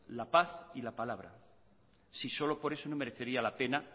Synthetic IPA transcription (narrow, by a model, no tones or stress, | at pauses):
lapaθilapalaβ̞ɾa̰ | siso̞lo̞po̞ɾe̞so̞nome̞ɾeθe̞ɾialape̞na